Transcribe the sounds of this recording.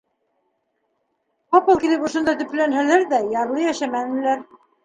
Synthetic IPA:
qɑpɤlˠkilɘpŏʃŏnd̪ɑt̪ɵ̆plænɦælæɾðæjɑɾlˠɤjæʃæmænɘ̆læɾ

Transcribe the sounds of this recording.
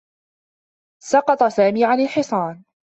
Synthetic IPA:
sɑqɑt̪ˤɑsaːmiːʕanɪlħɪsˤɑːn

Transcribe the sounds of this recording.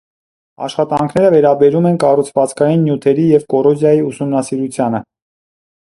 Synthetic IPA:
ɑ̰ʃχɑt̪ɑŋkʰnɛɾəvɛɾɑbɛɾumɛnkɑrut͡sʰvɑt͡skɑjinːjut̪ʰɛɾijɛvkɔrɔzjɑjiusumnɑsiɾut͡sʰjɑnə

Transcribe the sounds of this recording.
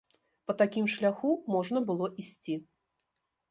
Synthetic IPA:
pɐt̪akʲimʂlʲaxumɔʐnɐbɨlˠɔʔisʲt͡sʲi

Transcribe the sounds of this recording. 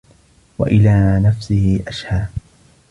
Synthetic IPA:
wa̰ʔɪlaːnafsɪhɪʔaʃhaː

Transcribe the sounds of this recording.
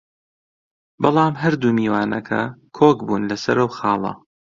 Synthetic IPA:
bɑlˠɑːmɦɐɾd̪uːmiːwaːnɐ̰kʰɐ̰kʰoːkbuːnlɐsɐɾɐwxɑːlˠɐ̰

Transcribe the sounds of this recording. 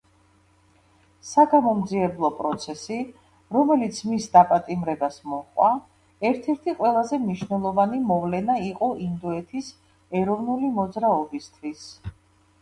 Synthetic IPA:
saɡamɔmd̪ziɛblˠɔpʼɾɔt̪sʰɛsi | ɾɔmɛlit̪sʰmisd̪apʼat̪ʼimɾɛbasmɔqʼwa | ɛɾt̪ʰɛɾt̪ʰiqʼwɛlˠazɛmniʃnɛlˠɔvanimɔvlɛnaiqʼɔʔind̪ɔɛt̪ʰis | ɛɾɔvnulimɔd̪zɾaɔbist̪ʰwis

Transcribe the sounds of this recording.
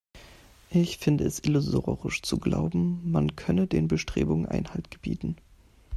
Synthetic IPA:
ʔɪçfɪndəɛsʔɪlʊzoːʁɪʃt͡suɡla̰ʊbm̩mankʰœnədeːnbəʃtʁ̥ḛːbʊŋənʔa̰ɪnhaltɡ̥əb̥ḭːtn̩

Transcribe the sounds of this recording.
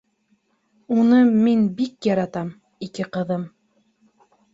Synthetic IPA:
unɤminbikjɑɾɑt̪ɑm | ikɘqɤ̆ðɤm

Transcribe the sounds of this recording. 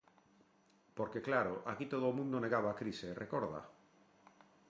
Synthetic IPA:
poɾkeklaɾoʔakit̪oð̞omũnd̪oneɣaβaːkɾiseːrʔekoɾða̰

